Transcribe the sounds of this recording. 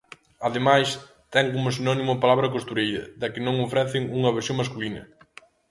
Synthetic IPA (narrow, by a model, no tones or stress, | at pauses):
ɐðemajs | t̪ɛŋkomosinɔnimʊpalaβɾɐkost̪uɾejɾɐ̰ðɐkɪnõŋofɾɛθɪŋuŋɐβ̞eɾsjõŋmaskulinɐ̰